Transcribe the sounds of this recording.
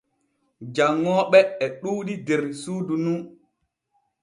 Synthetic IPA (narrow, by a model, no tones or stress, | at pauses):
d͡ʒaŋːɔːɓɛɛɗuːɗidɛɾsuːdunu